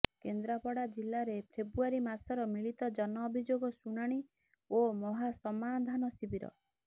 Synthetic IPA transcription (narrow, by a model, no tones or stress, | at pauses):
kend̪ɾapɔɽad͡ʒilːaɾepʰɾebɾuaɾimasɔɾɔmiɭit̪ɔd͡ʒɔnɔːbʱid͡ʒoɡɔsunaɽ̃i | omɔɦasɔmad̪ʱanɔsibʱiɾɔ̰